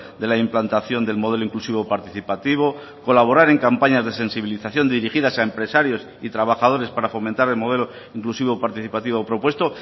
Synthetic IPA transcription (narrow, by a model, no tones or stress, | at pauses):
d̪e̞laimplant̪aθjo̞nd̪e̞lmo̞ð̞e̞loiŋklusiβo̞paɾt̪iθipat̪iβ̞o̞ | ko̞laβ̞o̞ɾaɾe̞ŋkampaɲazðe̞se̞nsiβiliθaθjo̞nd̪iɾiχiðasaempɾe̞saɾjo̞s | it̪ɾaβ̞axað̞o̞ɾe̞spaɾafo̞mẽ̞nt̪aɾe̞lmo̞ðe̞lo̞ | iŋklusiβ̞o̞paɾt̪iθipat̪iβo̞pɾo̞pwe̞st̪o̞